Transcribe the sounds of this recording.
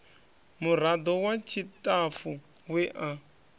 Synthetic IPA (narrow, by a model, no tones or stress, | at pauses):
muɾ̤ad̪ɔwat͡ʃʰitʼafu | wɛʔa